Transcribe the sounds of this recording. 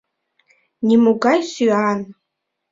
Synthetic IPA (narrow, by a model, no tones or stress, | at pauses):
nimuɡajsyaːn